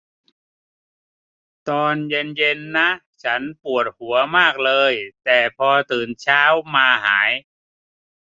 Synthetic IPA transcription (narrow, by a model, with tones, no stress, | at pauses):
t̪ɔː˧nje˧nje˧nːa˦˥ | t͡ɕʰa˦˥npu˨˩ət̪̚hu˩˦ɐmaː˥˩k̚lɤː˧jt̪ɛː˨˩pʰɔː˧t̪ɯː˨˩nt͡ɕʰaː˦˥wmaː˧ɦa̰ː˩˦j